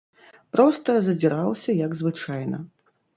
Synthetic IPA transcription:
pɾɔst̪ɐzɐd͡zʲiɾawsʲɐjɐɡzvɨt͡ʂajnɐ̰

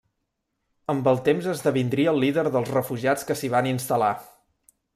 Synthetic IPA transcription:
əmbəlˠt̪emzəzðəβind̪ɾiəːlˠːiðəɾðəlˠzrəfuʒiat͡skəsiβ̞aninst̪əla

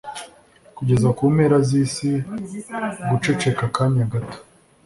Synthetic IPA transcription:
kuɟe̞zakuːme̞ːɾaziːsi | ɡut͡ʃe̞t͡ʃe̞kakaɲaɡato̥

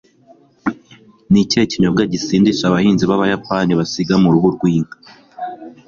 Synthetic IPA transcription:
niceciɲobɡaɟisiːndiʃaβahiːnziβaβajapaːniβasiɡamuɾuβuɾɡwiːŋɡa

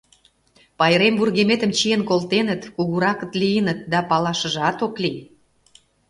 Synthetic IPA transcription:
pɑjəɾemburɣemet̪ə̆mt͡ɕijənkolt̪enət̪kuɣuɾɑkə̆t̪lijənət̪̚d̪ɑpɑlɑʃə̆ʒɑt̪okli

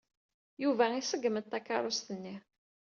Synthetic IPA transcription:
juvæisəɡːəməd̪̚t̪ːækːɑ̰ɾˤʊst̪ənːi

